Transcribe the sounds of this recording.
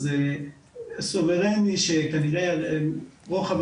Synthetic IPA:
ze | soveʁeniʃekaniʁe | ʁoχav

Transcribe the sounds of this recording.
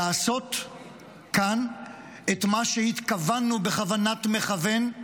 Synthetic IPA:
aːso̞t | kan | etmaʃehit̪kavanːube̞χavanatme̞χave̞n

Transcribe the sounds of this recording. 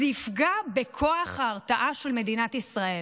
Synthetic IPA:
ifɡabekʰo̞aχhaːʁtaʔaʃe̞lme̞dinat̪isʁae

